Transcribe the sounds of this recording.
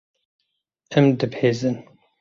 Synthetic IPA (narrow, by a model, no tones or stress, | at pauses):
ɛmd̪ɨbheːzɨn